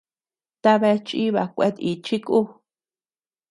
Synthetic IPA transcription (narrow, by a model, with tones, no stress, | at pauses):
t̪a˧βe˧t͡ʃi˦βa˧kʷḛ˧˦t̪i˧t͡ʃi˦kʼu˦